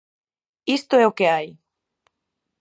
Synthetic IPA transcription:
ist̪oɛokeaj

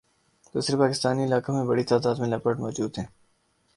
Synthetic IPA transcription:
d̪̥ṵːsɾepaːkɪst̪aːniɪlaːkamẽbɐɽit̪aːd̪aːd̪mẽlɐpəʈmɔːd͡ʒuːd̪ɦɛ̃ː

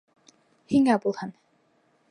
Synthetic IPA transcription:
hiŋæbulˠhɤn

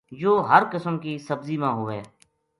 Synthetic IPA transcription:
joːɦəɾkəsəmkiːsəbziːmãːɦʊʋeː

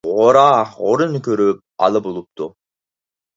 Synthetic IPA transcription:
ʁoɾɑoɾunkøɾyp̚ɑ̰lˠɯbulˠup̚t̪u

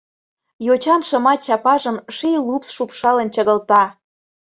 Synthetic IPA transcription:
jot͡ɕɑnʃɤ̆mɑt̪t͡ɕɑpɑʒəmʃilupsʃupʃɑlə̆nt͡ɕəɣə̆lt̪ɑ

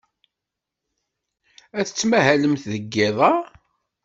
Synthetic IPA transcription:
æθə̥t͡sːmæɦæləmθðəɡːeðˤɑ

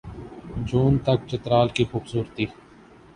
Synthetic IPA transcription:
d͡ʒuːnt̪ək̚t͡ʃət̪ɾaːlkixʊbsuːɾt̪iː

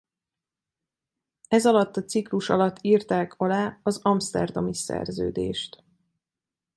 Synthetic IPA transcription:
ɛzɒlɒt̪ːɒt̪sikluʃɒlɒt̪ʰːiːrt̪aːkʰɒlaːɒzɒmst̪ɛ̰rd̪omisɛ̰rzø̰ːd̪ḛːʃt̪

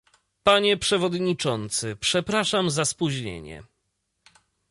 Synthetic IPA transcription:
paɲɛpʂɛvɔd̪ɲit͡ʂɔnt̪sɘpʂɛpɾaʂamzaspuʑɲḛɲɛ̰

